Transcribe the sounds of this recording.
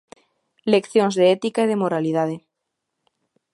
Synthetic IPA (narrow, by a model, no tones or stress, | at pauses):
lekθjõŋzðeɛt̪ikaeð̞emoɾalið̞að̞e